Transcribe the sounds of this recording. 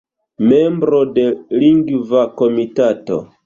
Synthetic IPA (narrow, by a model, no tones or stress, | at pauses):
membɾode̞liŋɡvako̞mitato̰